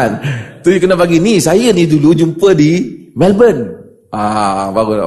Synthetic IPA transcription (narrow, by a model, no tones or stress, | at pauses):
nt̪ʊjkənapaɡinisajənidulud͡ʒumpədimɛlbən | abaɡ